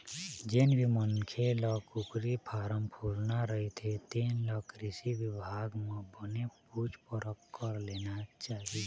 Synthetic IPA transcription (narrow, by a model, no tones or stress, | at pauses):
d͡ʒɪnbʱimənkʰelɔːkʊkɾipʰaːɾəmpʰuːlnaɾəɦet̪ʰet̪iːnlɔːkɾɪsiwɪbʱaːɡmẽbənepuːt͡ʃpʊɾəkːəɾleːnat͡ʃaːɦi